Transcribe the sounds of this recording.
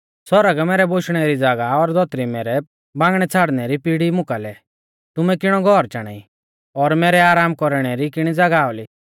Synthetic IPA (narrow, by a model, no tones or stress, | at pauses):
sɔɾəɡmɛːɾɛboʃɽ̃ɛɾid͡zɐɡaɔɾd̪ɔt̪ɾimɛːɾɛ | bãːŋɡɽ̃ɛt͡sʰaːɽnɛɾipiɽimʊ̃kalɛ | t̪ʊmɛkɪɽ̃ɔɡʱɔɾt͡ʃaːɽ̃a̰ːi | ɔɾmɛːɾɛaːɾaːmkɔɾɽ̃ɛɾikɪɽ̃id͡zɐɡaɔli